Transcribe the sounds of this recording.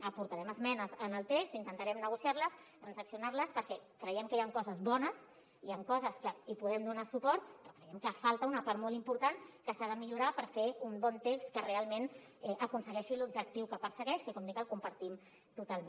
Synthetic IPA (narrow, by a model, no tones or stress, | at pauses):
əpuɾt̪aɾɛməzmɛnəzənəlˠt̪ekst̪int̪ənt̪aɾɛmnəɣ̞usiaɾləs | t̪ɾənsəksiunaɾləspəɾkɛkɾəjɛmkəjaŋkɔzəzβɔnəs | iaŋkɔzəskəipuðɛmd̪unasupɔɾt̪pɾɔkɾəjɛmkəfalˠt̪əunəpaɾt̪molimpuɾt̪ankəsaðəmiʎuɾapəɾfeumbɔnt̪ekskərealˠmen | ɛʔəkunsəɣɛʃilubʒək̚t̪iwkəpəɾsəɣɛʃkəkɔmd̪ikəlˠkumpəɾt̪im | t̪ut̪alˠm